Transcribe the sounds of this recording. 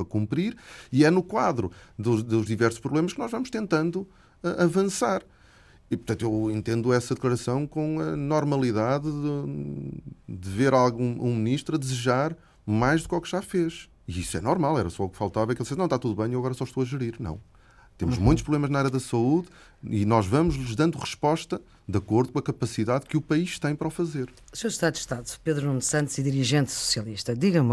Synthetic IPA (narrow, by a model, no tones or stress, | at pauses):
ɐkũmpɾiɾiɛnukwaðɾuðud̪uʒðivɛɾsu̥ʃpɾuβlˠemɐʃkɨnɔʒvɐmʊʃt̪ẽnt̪ɐ̃nd̪u | ɛʔɐvɐ̃saɾ | ipɾt̪ɐ̃nt̪uewẽnt̪ẽnd̪uɛsɐðɨklˠɐɾɐsɐ̃w̃kõɐnɔɾmɐlˠiðaððu | d̪ɨveɾalˠɣũũminiʃt̪ɾɐðɨzɨʒaɾ | majʒðukɔkʒ̥afeʃ | iiswɛ̰nɔɾmalˠɛɾɐsɔukfalˠt̪avɐɛkelˠsesnɐ̃w̃t̪at̪uðuβɐ̃j̃ewɐɣɔɾɐsɔʃt̪oɐʒɨɾiɾnɐ̰̃w̃ | t̪emuʒmũj̃t̪ʃpɾuβlˠemɐʒnɐaɾjɐðɐsɐuð | ḭnɔʒvɐmuʒlˠuʒðɐ̃nd̪uʁɨʃpɔʃt̪ɐ | d̪ɐkoɾðukõɐkɐpɐsiðaðkɨupɐiʃt̪ɐ̃j̃pɐɾɔfɐzeɾ | usewʃt̪aðud̪ʃt̪aðupeðɾunũnd̪sɐ̃nt̪z̥iðiɾiʒẽnt̪su̥sjɐlˠiʃt̪ɐd̪iɣɐ̃m